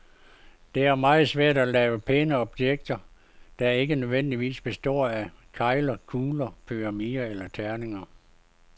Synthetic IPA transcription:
d̥e̝æɐmɑ̈ːð̞̩ˠsʋæɐ̰d̥ælɛːʊəpʰenəɒ̽b̥jeɡ̥̚d̥ɐ | d̥æe̝ɡ̥ənøðˠʋen̰d̥iʋḭːsb̥e̝sd̥ɒ̰ːækʰɑ̈ɪlɐkʰuːlɐpʰyʁɑmiɐelɐt͡sʰæɐne̝ŋɐ

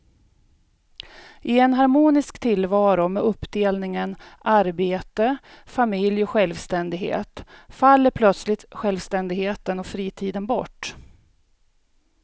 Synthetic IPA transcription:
ʔɪɛnɦaɾmuːnɪskt̪ʰɪlvɑːɾʊmɛɵpːd̪eːlnɪŋənʔaɾbeːt̪ə | famɪljɔɧɛlvst̪ɛnd̪ɪɡɦḛːt̪falːəɾpʰlœt̪slɪt̪ɧɛlvst̪ɛnd̪ɪɡheːt̪ənɔkfɾiːt̪ʰiːd̪ənbɔʈː

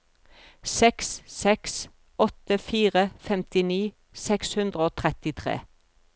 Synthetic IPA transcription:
sɛkssɛks | ɔt̪əfiːʁəfɛmt̪ɪniː | sɛkshʉnd̪ʁəoːt̪ʰʁɛt̪ɪt̪ʰʁḛː

